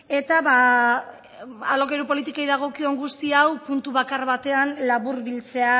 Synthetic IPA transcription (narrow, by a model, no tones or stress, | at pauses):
e̞t̪aβa | alo̞kejɾupo̞lit̪ikajðaɣ̞o̞kio̞ŋɡust̪iawpunt̪uβakaɾβat̪e̞anlaβuɾβilt͡se̞a